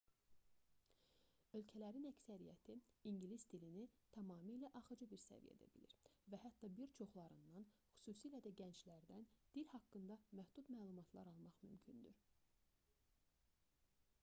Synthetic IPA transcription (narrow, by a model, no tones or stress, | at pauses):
ø̞lcʰælæɾinæcsæɾijæ̰t̪ʰiiɲɟilisd̪ilinit̪ʰɑmɑːmiːlæʔɑχɯd͡ʒɯbiɾsæ̰vḭjæ̰d̪æ̰bḭliɾvæhæt̪ːɑbiɾt͡ʃʰo̞χlˠɑɾɯnd̪ɑnxy̥suːsiːlæd̪æɟænt͡ʃlæɾd̪ænd̪̥ilhɑkːɯnd̪ɑmæhd̪ut̪mæːlˠumɑt̪ʰlˠɑ̰ɾɑlˠmɑχmymcʰynd̪y̰ɾ